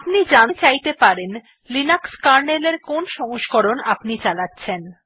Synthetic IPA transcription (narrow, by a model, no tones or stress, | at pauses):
apnid͡ʑat͡ɕajt̪epaɾen | linakskaɾneleɾkonʃɔŋoʃkoɾonapnit͡ɕalatːɕʰen